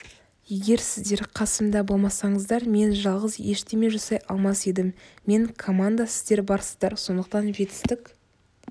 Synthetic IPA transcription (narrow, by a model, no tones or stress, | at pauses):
je̞ɡʲe̞ɾsɪzd̪e̞ɾqʰɑsəmd̪ɑbo̞lˠmɑsɑɴəzd̪ɑɾme̞nʒɑlˠʁəzje̞ʃt̪e̞meʒʊsɑjʔɑlˠmɑse̞d̪ɪmːe̞ŋkʰo̞mand̪asɪzd̪e̞ɾbɑɾsə̥zd̪ɑɾso̞nd̪əqt̪ɑnʒe̞t̪ɪ̥st̪ɪk